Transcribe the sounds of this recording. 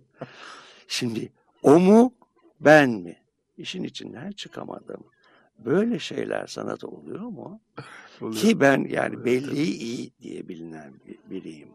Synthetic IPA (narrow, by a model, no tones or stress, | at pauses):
ʃimd̪ɪ | omu | bænmɪ | iʃinit͡ʃʰind̪ænt͡ʃʰɯkʰamad̪ɯm | bøjlʲɛʃejlʲæ̰ɾsa̰nat̪ʰolˠujo̞mu | kʰibænja̰ːnibɛlʲːijiʔijid̪ijɛbilʲinænbiɾijim